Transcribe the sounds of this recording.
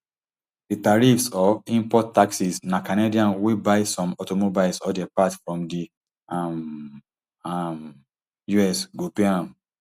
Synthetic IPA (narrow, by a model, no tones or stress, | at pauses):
ditaɹifsɔvĩmpɔtːaksisnãkanediãnwibaɪsɔ̃mɔtomobilsɔdɛpatfɹɔ̃mdi | am | m | juɛsɡupiãm